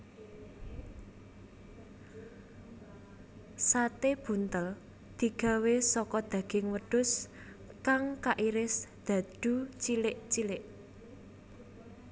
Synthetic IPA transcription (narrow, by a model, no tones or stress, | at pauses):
sat̪eb̥ṳnt̪əl | d̪̥i̤ɡ̥a̤wesɔkɔd̪̥ä̤ɡ̥ɪŋwəɖ̥ʊ̤s | kaŋkaʔiɾɪsd̪̥ä̤d̪̥ṳt͡ʃilɪʔt͡ʃilɪʔ